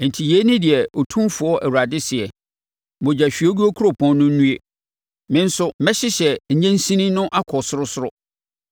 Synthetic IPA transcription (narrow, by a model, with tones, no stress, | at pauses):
n̩˨tʰi˨je˨˦nɪ̃˦dɪ˨ɛ˨o˨tʰũ˦mfʊ˨˦ɔ˦ʔɛ˨wɾa˨dɪ˦sɪ˨ɛ˨ | mõ˨d͡ʑa˨ɕᶣi˨˦o˦ɡu˦o˦kʰu˦ɾo˨pʰɔ̃˦nː˦ʊ̃˦n̩˦nũ˦e˦ | mɪ̃˦n̩˦sʊ˦mɛ̃˦ɕɪ˦ɕɛ˨ɲ̩˨ɲɛ̃˦n̩˦sĩ˦nĩ˦nʊ̃˦ʔa˦kʰɔ˨sʊ˦ɾʊ˦sʊ˦ɾʊ˦